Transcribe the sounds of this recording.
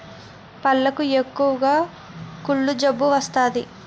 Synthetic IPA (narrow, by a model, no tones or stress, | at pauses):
pɐlːɐkuekːuʋɐɡaː | kuɭːud͡ʒɐbːuʋɐst̪aːd̪i